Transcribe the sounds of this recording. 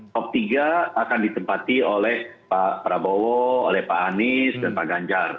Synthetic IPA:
kɔp̚t̪iɡaːkandit̪əmpat̪iolɛh | papɾabowɔolɛhpaːnɪsdanpaɡaɲd͡ʒar

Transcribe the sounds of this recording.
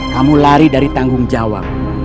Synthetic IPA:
kamulaɾidaɾit̪aŋɡʊŋd͡ʒawa̰p̚

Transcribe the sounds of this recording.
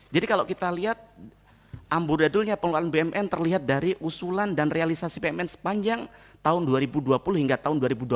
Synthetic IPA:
d͡ʒadikalakit̪aliɦat̪̚ | ʔambʊrdadʊlɲapəŋloanbeɛmʔɛnt̪ərliɦat̪̚daɾiʔusulandanrealisasibeɛmɛnsə̥paɲd͡ʒaŋt̪aʊnduaɾibuduapulʊhiŋɡat̪aʊnduaɾibudua

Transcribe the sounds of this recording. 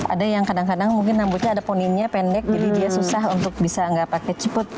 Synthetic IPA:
ʔa̰dajaŋkadaŋkadaŋmuŋkɪnːambuɲaːdaponinɲapɛndɛk̚d͡ʒadidiasusaɦunt̪ʊk̚bisaŋɡaʔpakɛt͡ʃipʊt̪̚

